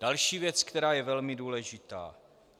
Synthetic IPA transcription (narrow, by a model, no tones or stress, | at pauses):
d̥alʃiːvjɛt͡skt̪ɛɾaːjɛvɛlmɪduːlɛʒɪt̪a̰ː